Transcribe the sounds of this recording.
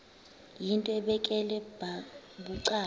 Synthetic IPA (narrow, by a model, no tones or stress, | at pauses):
jintʼɔɛɓɛkʼɛlɛbaɓuǀaː